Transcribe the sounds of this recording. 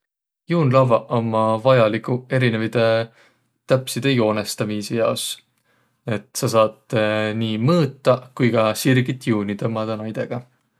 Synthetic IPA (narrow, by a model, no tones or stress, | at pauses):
juːnlɑvɑʔomːɑvɑjɑlikˑue̞ɾinevid̪̥e̞ | t̪æpsid̪̥ejo̞ːnest̪ɑmiːsejɑos | e̞t̪sɑsɑːt̪ˑniːmɤːt̪ˑːɑkujɡɑsirɡ̥it̪ːˑjuːnit̪ɤmːɑd̪̥ɑnɑjd̪̥e̞ɡ̥ɑ